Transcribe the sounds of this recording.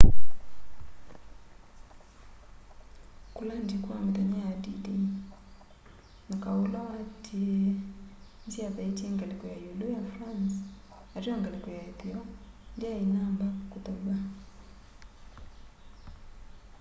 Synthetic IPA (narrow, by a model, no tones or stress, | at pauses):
kulandikwamataɲiadidi | nakaulawatʰi | nd͡ʒiapaitɛŋɡalɛkɔjajulujafɾans | atiaŋɡalɛkɔjaɛθiɔ | ndiainambakutɔba